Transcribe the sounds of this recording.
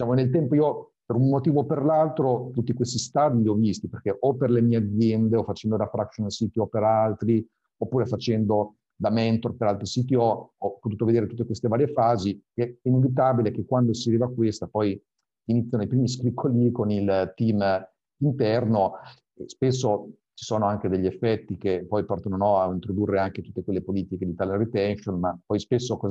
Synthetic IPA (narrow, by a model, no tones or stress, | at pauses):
d̪it͡ʃaːmonelt̪ɛmpoiːo | peɾunmot̪iːvoperlalt̪ɾot̪ut̪ːikwest̪ist̪aːd̪iliɔvist̪iperkeʔɔpːerlemiːead̪zːjɛnd̪eɔfːat͡ʃɛnd̪od̪afɾakʃonsit̪iɔpeɾalt̪ɾi | opːuːɾefat͡ʃɛnd̪o | d̪amɛnt̪orpeɾalt̪ɾisit̪̬iɔɔpːot̪uːt̪oved̪eːɾet̪ut̪ːekwest̪evaːɾjefaːzikɛɛinevit̪̬aːbilek̟ekːwand̪osiɾivakːwest̪apɔj | init̪sʲːjanejpɾiːmiskɾikʰːolikonilt̪im | int̪ɛrno | spesːo | t͡ʃi̥soːnoaŋked̪eʎːiefːɛt̪ːikepɔjpɔrt̪anonɔaint̪ɾod̪urːeaŋk̟et̪ut̪ːekwelːepoliːt̪iked̪it̪aːleret̪ɛnʃonmapːɔjspesːokɔz